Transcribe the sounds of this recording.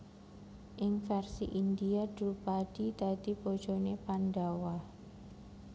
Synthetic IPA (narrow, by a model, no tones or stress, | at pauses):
ʔɪŋfɛrsḭʔind̪iad̪̥ɾupad̪̥id̪̥a̤d̪̥ipod̥ʒ̥o̤nepandawa